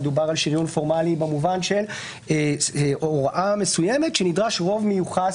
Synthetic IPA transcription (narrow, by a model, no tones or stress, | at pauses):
dubaʁalʃiʁjunfo̞ʁmalibemuvanʃe̞l | ʔooʁʔame̞sujeme̞tʃenid̪ʁaʃʁo̞vmejuχa